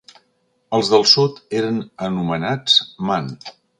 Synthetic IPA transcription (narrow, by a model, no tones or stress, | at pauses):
əlˠzðəlˠsut̪eɾənənumənat͡sman